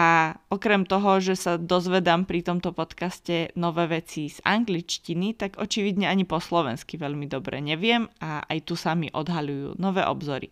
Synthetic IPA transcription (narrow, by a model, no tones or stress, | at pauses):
aɔkɾɛmt̪ɔɦɔʒɛsad̪ɔzʋɛd̪aːmpɾit̪ɔmt̪ɔpɔt̪kascɛnɔʋɛːʋɛt͡siz̥a̰ŋɡlit͡ʃcinit̪aɡʔɔt͡ʃiʋid̪ɲɛaɲipɔslɔʋɛ̰nskiʋɛʎmid̪ɔbɾɛ̰ɲɛʋɪɛmaa̰jt̪usamiʔɔd̪ɦalujṵːnɔʋɛːʔɔbzɔɾḭ